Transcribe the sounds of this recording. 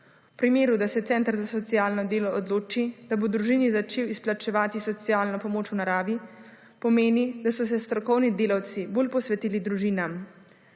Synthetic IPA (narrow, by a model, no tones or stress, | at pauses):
pɾimeːɾud̪asɛt̪sɛːnt̪ɾzasɔt̪sijaːlnɔd̪eːlɔɔd̪loːt͡ʃid̪̥abod̪ɾuʒiːnizat͡ʃeːwisplat͡ʃɛʋaːt̪isɔt̪sijaːlnɔpɔmoːt͡ʃwnaɾaːʋi | pɔmeːnid̪asɔs̬ɛst̪ɾɔkɔwnid̪eːlawt̪siboːlpɔsʋɛt̪iːlid̪ɾuʒiːnam